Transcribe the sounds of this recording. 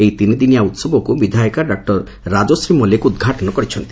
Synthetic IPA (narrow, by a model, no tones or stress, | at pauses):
ejt̪inid̪inijaut̪sɔbɔkubid̪ʱajɔkaɖak̚ʈɔɾː | ad͡ʒosɾimɔlekuud̪̚ɡʱaʈɔnɔkɔɾit͡ʃʰɔnt̪i